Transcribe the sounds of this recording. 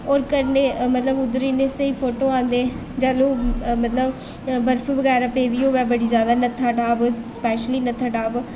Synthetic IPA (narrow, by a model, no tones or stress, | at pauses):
ɔːɾkəɾneːmət̪ləbʊd̪ɾiːnẽːsəiːpʰoːʈoːãːnd̪eː | d͡ʒaːloːmət̪ləb | bəɾfʰʋəɡɛːɾaːpeːd̪iːoːʋɛːbəɽiːzjaːd̪aːnət̪ʰaːʈaːbspɛːʃliːnət̪ʰaːʈaːb